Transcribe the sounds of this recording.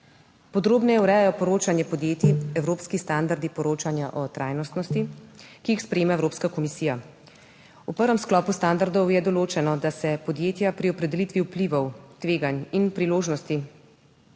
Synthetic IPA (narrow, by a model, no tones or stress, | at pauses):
pɔd̪ɾoːbnɛjɛwɾɛjajɔpɔɾoːt͡ʃanjɛpɔd̪jeːt̪iɛwɾoːpskist̪and̪aɾd̪ipɔɾoːt͡ʃanjaʔɔt̪ɾaːjnɔst̪nɔst̪ikiixspɾɛjeːmaɛwɾoːpskakɔmisiːja | upəɾʋɛmsklɔːpust̪and̪aɾd̪ɔwjɛd̪ɔloːt͡ʃɛnɔd̪asɛpɔd̪jeːt̪japɾiɔpɾɛd̪ɛlit̪ʋiwpliʋɔwt̪ʋeːɡaninpɾiloːʒnɔst̪i